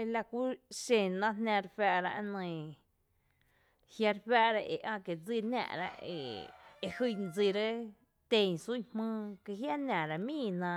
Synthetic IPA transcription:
e˧la˧kʷu˦ʃẽ˨nã˦ɦnã˧ɾɸæ˧ʔɾa˧ʔnə̃˧˨ | hja˧ɾɸæ˦ʔɾa˦ʔe˨ʔã˦˧ke˨d͡zi˧næ̰̃˧˨ɾa̰˧ʔḛ˧˨e˧hɨ˧˨n˧d͡zi˧ɾe˦ | t̪e˧ɲsu˦˨hmɨ̃ː˦˧ke˧ɦja˦næ̃˨ɾa˧mĩː˦˨nã˧

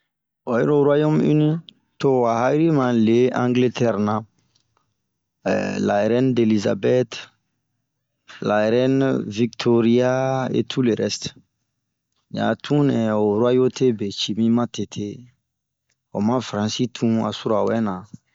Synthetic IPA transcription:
o˨je˦ɾo˨ɾu˦a˦jo˦my˦nĩ˦ | to˦wa˨ɦa˦i˦ɾi˦mã˨le˦ãŋɡle˦tɛ˦ɾnã | la˨e˨ɾɛ˦nde˨liza̰bɛ˦t | la˨e˨ɾɛ˦nviktʰo˦ɾi˦a˦ḛ˦tʰu˦le˨ɾɛst | ɲa̰˨tʰũ˦nɛ̃˨o˨ɾwa˦jo˦te˦be˨t͡ʃi˨mĩ˦mã˦te˨tʰe˦ | o̰˨mã˦fɾã˨si˦tʰũ˦a̰˨su˦ɾa˨wɛ˦nã˨

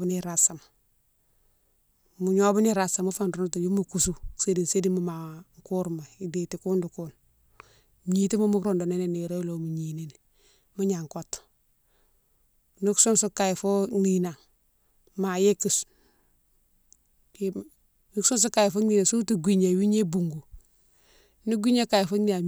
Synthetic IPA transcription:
bni˦ɾa˨sa˨m | mu˨ɲo˦bu˦ni˦ɾa˨sa˨mu˦fa˨ndnu˦tu˨ju˦mu˨ku˨su˦se˦di˨n˨se˦di˦mu˦˨ma˨ŋku˦ɾma˨i˨di˨ti˨ku˦ndu˨ku˦n | ɲi˨ti˦mu˦mu˦kɾo˨ndo˨ne˦ne˦ni˨ɾo˦jlo˨mu˨ɲi˨ne˦n˨ | mu˦ɲa˨ŋko˦t | ni˦ksu˦nsu˦ka˨jfo˦ŋi˦˨na˨ | ma˨je˦ki˨s | ni˦ksu˦ns̬u˦ka˨ji˨fo˦ni˦˨na˨su˦tu˨ɡʷi˦ɲa˨wi˦ɲe˦bu˨ŋɡu˨ | nu˦ɡʷi˦ɲa˦ka˨ji˨fo˦ni˦na˨

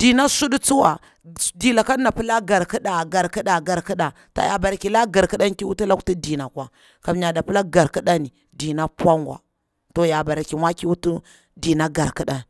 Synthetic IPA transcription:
d̥i˨na˦su˦du˦t͡su˦wa˨ | di˨la˨ka˦na˨pi˦la˦ɡa˨ɾki˦ɗa˨ɡa˨ɾki˦ɗa˨ɡa˨ɾki˦ɗa˨ | ta̰˨ja̰˨ba˨ɾa˨ki˨la˦ɡa˨ɾki˦ɗa˦n˦ki˦wu˦tu˦la˦ktu˦di˨na˨kʷa˨ | ka˨m˦ɲa˨da˨pi˦la˦ɡa˨ɾki˦ɗa˦ni˨ | di˨na˦pʷa˦ŋɡʷa̰˨ | to˨ja˨ba˨ɾa˨ki˨ma˦ki˦wu˦tu˦ | di˨na˦ɡa˨ɾki˦ɗa˦n

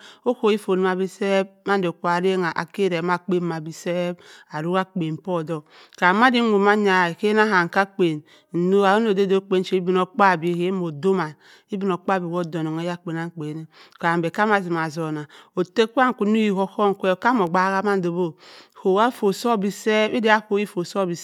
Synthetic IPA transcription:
o˦ko˨i˦fo˨ni˨˦ma˨bi˦se˦b̚ma˦n˦do˨kʷa˨ɾe˦ŋa˨ʔa̰˨ke˦ɾe˨˦ma˦k͡pe˦m˦ma˨bi˦se˦b̚a˨ɾu˦ka˦k͡pe˨m̩˨po˦˨do˨ | ka˨ma˦di˦mu˨ma˦ɲa˨ke˦na˦ɦa˨ŋ˨ka˦k͡pe˨n̩˨ | no˦a˨o˦no˨de˦do˦k͡pe˦n˦t͡ʃe˦i˦bi˨no˨k͡pa˦˨bi˦˨he˦mo˨do˦ma˨ | i˦bi˨no˨k͡pa˦˨bi˨ko˦do˨no˨ŋe˦ja˦k͡pe˨na˦ŋ˦k͡pe˨ne˦ka˨a˨m˨be˨ka˦ma˨zi˨ma˨zo˨na˨o˨te˦ku˦a˦ŋ˨ku˨nu˦ji˦˨ho˦ko˦ŋ˨kʷe˦˨ka˦mo˨ɡ͡ba˦ɣa˦ma˦n˦do˨bo˦˨ho˨wa˦fo˨so˦˨bi˦se˦bi˦di˦a˦ko˦i˦fo˨so˦˨bi˨˦

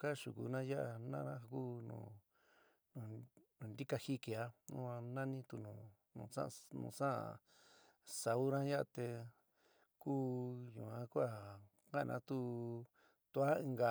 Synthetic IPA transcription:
ka˦˨ʃu˨ku˨nã˦ja˦ʔa˧nã˦nã˦˧ku˦nṵ̃˧˨ | nũ˧˨nũ˨nd̪i˦ka˧hi˦ke˨a˦nũ˦ã˧nã˦nĩ˦t̪u˧nũ˨ | nũ˨sã̰˦˧nṵ̃˧˨sã˦a̰˨ | sa˨u˦ɾã˦ja˦ʔa˧t̪e˧ | kuː˦ɲṵ̃˨ã˧˦ku˦a˦˨ | kã˦˧nʔã̰˧˦t̪u˦ | t̪u˧a˦ĩ˧ŋɡa˨

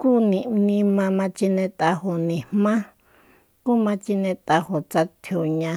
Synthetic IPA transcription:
kuː˦nĩ˨nĩ˧mã˧mã˧t͡ʃi˧nẽ˧t̪a˧ho˨nĩ˨hmã˦ | ku˦˨mã˧t͡ʃi˧nẽ˧t̪a˧ho˨t͡sa˧t̪ʰjo˨ɲã˧

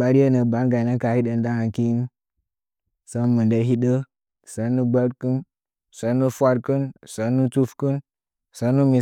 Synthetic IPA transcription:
a˨˦ɾje˦nə˨ba˨˦nɡa˨nə˦ka˨hi˦ɗə˨nda˦ŋa˨ki˦ | sə˦mɨ˨nde˦ɦi˦ɗə˦ | sə˨˦nːu˦ɡ͡bə˦ɾkɨ˦n˨ | sə˨˦nu˦fʷa˦ɾkɨ˦nsə˨˦nːu˦tu˦fkɨ˦n | sə˨˦nu˦mi˨

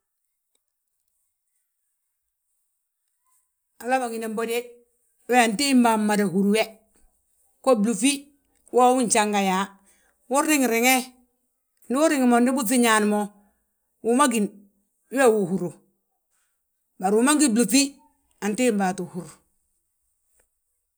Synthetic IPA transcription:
a˨la˦ba˨ŋi˨ne˨mbo˦de˦ | we˦a˨nti˦mba˨mma˨da˨hu˨ɾu˦we˦ | ko˦blu˨fi˦ | wo˦wu˦ɲ˨t͡ʃa˦ŋɡa˨ja˨ | wu˦ɾːi˦ŋ˨ɾɪ˨ŋe˦ | ndi˦wu˦ɾi˦ŋ˨mo˨ndi˦bu˦f̬i˦ɲa˨n˨mo˦ | wu˨ma˦ɡi˨n˦ | we˦˨wu˨hu˨ɾu˨ | ba˨ɾu˨ma˦ŋɡi˦blu˨fi˦ | a˨nti˦mba˨tu˨hu˨ɾu˨

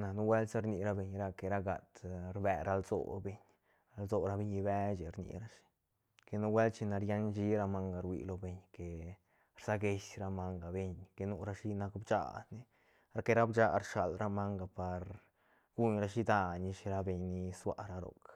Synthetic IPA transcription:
na˨nu˦we˦lsa˦ɾni˧ɾa˧be˨ɲɾa˧ke˨ɾa˦ɡa̰˨t̪ɾbe˧˨ɾa˧lzo̰˨be˨ɲ | ɾa˧lzo˨ɾa˧be˧ɲi˧be˦t͡ʃi˨ɾnḭ˧ɾa˦ʃi̥˨ | ke˧nu˦we˦lt͡ʃi˧na˧ɾja˦nd͡ʒi˦ɾa˧ma˦ŋɡa˨˧ɾwḭ˧˨lo˧be˨ɲke˨ | ɾsa˦ɡe˧ʃɾa˧ma˧ŋɡa˨be˧ɲke˧nu˦ɾa˧ʃi˦na˧kbt͡ʃa̰˧˨d̪ni˦ | ɾa˧ke˧ɾa˦bt͡ʃa˧ɾʃa̰˨lɾa˦ma˦ŋɡa˨pa˨ɾ | ɡ̥u˦ɲɾa˧ʃi˦d̪a˧ni˧ʃi˧ɾa˧be˨ɲni˧swa̰˧˨ɾa˧ɾo̰˨k

